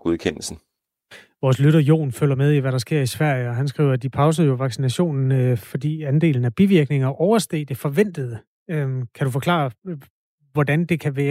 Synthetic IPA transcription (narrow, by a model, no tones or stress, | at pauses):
ɡ̥ukʰen̰l̩sn̩ | ʋɒːslyɾɐjo̝̰ːnføl̰ɐmeðˠiʋæɾɑ̈sɡ̥e̝ɐ̰isʋæɐ̰jəɒ̽ɦænsɡ̥ʁḭːʊɐd̥ipʰɑ̈ʊs̬əð̩ˠjoʋɑ̈ɡ̥sinæɕo̝̰ːnn̩fɒ̽d̥ḭːænd̥e̝̰ːln̩æb̥iʋiɐɡ̥ne̝ŋɐʔɒʊɐsd̥e̝̰ːd̥e̝fɒ̽ʋen̰d̥əð̩ˠ | kʰæɾufɒ̽kʰlɑ̰̈ | ʋɒd̥ænd̥e̝kʰæʋæːɐ